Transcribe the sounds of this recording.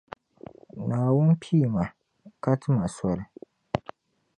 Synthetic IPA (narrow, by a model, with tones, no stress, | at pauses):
naː˨wʊ˦n˦pʰiː˦˨ma˨ | ka˦tɨ˦ma˨sɔ˦ɾɨ˨